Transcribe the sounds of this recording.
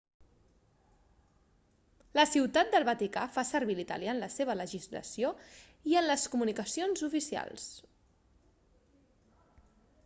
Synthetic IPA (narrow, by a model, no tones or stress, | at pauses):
ləsiwt̪at̪̚d̪əlˠβət̪ikafasəɾβilit̪ə̰ljanləseβ̞ələʒizlə̰sio | iənləskumunikəsionzufisia̰lˠs